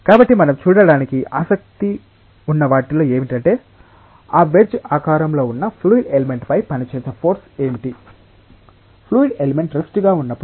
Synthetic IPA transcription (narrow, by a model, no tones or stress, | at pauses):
kaːbɐʈːimɐnɐmt͡ʃuːɽɐɽaːnikiʔaːsɐk̚t̪i | unːɐʋaːʈilo̞ːe̞ːmiʈɐɳʈe̞ː | aːʋeɾd͡ʒaːkaːɾɐmlo̞ːunːɐpʰluːiɖeleme̞ɳʈpɐjpɐnit͡ʃeːsɐpʰo̞ːɾseːmiʈi | pʰluːiɖeleme̞ɳʈɾɐsʈuɡaːunːɐpːu